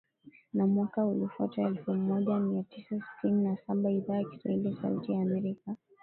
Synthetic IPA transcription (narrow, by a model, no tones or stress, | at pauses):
namwakaulifuataɛlfumɔʄamiatisasi̥tʰininasaɓaiðaːjaki̥swa̰hilijasa̰ṵtijaːmɛɾika